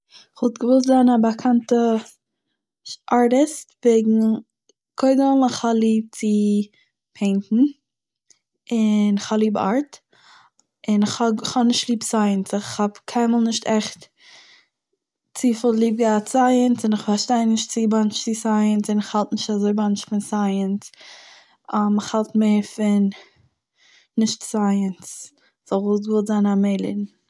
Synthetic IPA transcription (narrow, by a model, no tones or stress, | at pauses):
ɪχvɔlˠtɡəvʊs̬tdanabakʰantə | ʔaɹɾɪstveɪɡŋ̩ | kʰɔɪɡəlˠnɪχhalˠiːb̚t͡sɪ | pʰeɪntn̩ | ɪnɪχhablˠiːba̰ɹt | ɪnɪχhɔχhɔnɪʃtlˠiːbsaɪənsɪχhabkʰaɪmalˠnɪʃtʰɛχt | t͡siːfəlˠlˠiːb̚ɡaːtt͡saɪənsɪnɪχfaɾʃtaɪnnɪʃtt͡sibant͡ʃt͡sɪsaɪənsɪnɪχhalˠtnɪʃtazoɪbant͡ʃfɪnsaɪəns | amɪχhalˠtmeːɾfɪn | ɪʃtsaɪəns | z̥ɔlˠvusvɪlˠzanameɪlˠɪ̰dn̩